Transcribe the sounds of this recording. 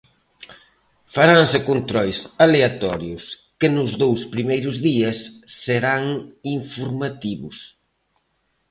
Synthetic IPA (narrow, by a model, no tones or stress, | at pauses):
faɾansɪkont̪ɾɔjsaleat̪ɔɾjʊs | kɪnʊzðowspɾimejɾʊzðiɐsːeɾaŋiɱfoɾmat̪iβʊs